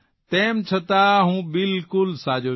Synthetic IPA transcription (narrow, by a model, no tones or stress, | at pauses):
t̪ɛ̃ːmt͡ʃʰət̪aɦũːbɪlkʊlsaːd͡ʒoː